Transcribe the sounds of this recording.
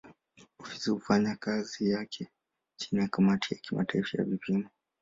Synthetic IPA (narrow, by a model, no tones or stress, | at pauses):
ufisiufaɲakazijakʰɛ | t͡ʃinijakamatʰija̰kimataifaja̰vipʰimɔ